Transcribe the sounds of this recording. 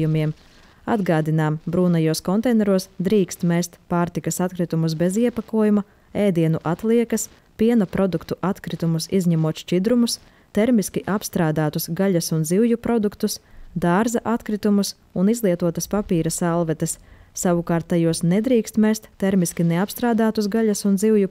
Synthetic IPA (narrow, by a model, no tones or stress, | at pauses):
jumʲiɛm | a̰d̪ɡaːd̪inaːmbɾuːnajuɔskɔnt̪ɛjnɛɾuɔsd̪ɾiːkst̪mɛst̪paːɾt̪ikɐsat̪̚kɾit̪umusbɛziɛpakuɔjumɐ | eːd̪iɛnuʔat̪lˠiɛkɐs | piɛnɐpɾɔd̪ukt̪uʔat̪kɾit̪umusizɲɛmuɔt̪ʃt͡ʃid̪ɾumus | t̪eɾmiskʲiʔapst̪ɾaːd̪aːt̪usɡaʎʲɐsunziwjupɾɔd̪ukt̪usd̪aːɾzɐʔat̪kɾit̪umus | unizlˠiɛt̪uɔt̪ɐspapiːɾɐsalˠvɛt̪ɐssaʋukaːɾt̪̚ːajuɔsnɛd̪ɾiːkst̪mɛst̪ːeɾmiskʲineapst̪ɾaːd̪aːt̪us̬ɡaʎʲɐsunziwju